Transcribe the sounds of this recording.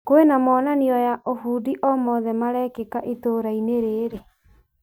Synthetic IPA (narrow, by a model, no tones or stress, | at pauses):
koenamɔnaniɔjaʔoɦudiʔɔmɔðɛmaɾɛkekaʔitoːɾaineɾeːɾe